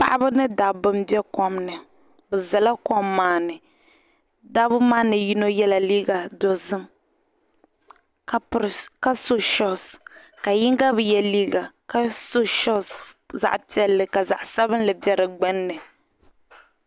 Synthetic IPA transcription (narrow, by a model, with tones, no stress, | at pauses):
pa̰˦ʔa˦bɨ˦nɨ˦da˨bɨ˦mbjɛ˦kɔ˦mnɨ˨ | bɛ˨za˨la˦kɔ˦mːaː˦nɨ˨ | da˦bɨ˦maː˦nɨ˨ji˦no˦jɛ˦la˨liː˦ɡa˨dɔ˨zɨ˦m | kka˦so˦ʃɔ˦s | ka˨ji˦ŋɡa˦bɨ˨jɛ˦liː˦ɡa˨ka˦so˦ʃɔ˦s | za̰˨ʔpi˦ɛ˨lːɨ˨ka˨za̰˨ʔsa˦bɨ˦n˦lɨ˨bɛ˦ɾɨ˨ɡ͡bɛ˦nːɨ˨